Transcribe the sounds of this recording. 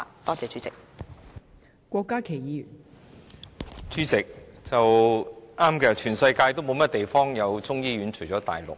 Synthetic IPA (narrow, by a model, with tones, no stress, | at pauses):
t̪ɔː˥t͡sɛː˨˧t͡ʃyː˨˥t͡sɪ˨k̚ | kʷɔː˧kːaː˥kʰe˨˩jiː˨˧y˨˩n | t͡syː˨˥t͡sɪ˨k̚t͡sɐ˨wʔaː˥mkɛː˧t͡ʃʰyː˨˩nsɐ˧jkaː˧jt̪o˥wmo˨˧wmɐ˥t̚t̪e˨jfɔː˥ŋjɐ˨˧wt͡sʊ˥ŋjiː˥ɥyː˨˥nt͡ʃʰɵ˨˩jt͡ʃɔː˨˥t̪a̰ː˨˩jlʊ̰˨k̚